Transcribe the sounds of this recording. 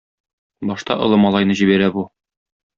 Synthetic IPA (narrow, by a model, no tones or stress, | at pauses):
bɒʃt̪ɑ̰ʔŏlˠɤmɒlˠɑjnɤʑibæɾæbu